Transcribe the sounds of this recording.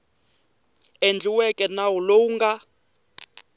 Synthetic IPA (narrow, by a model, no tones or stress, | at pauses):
end͡ɮiwɛkʼɛnaulouŋɡa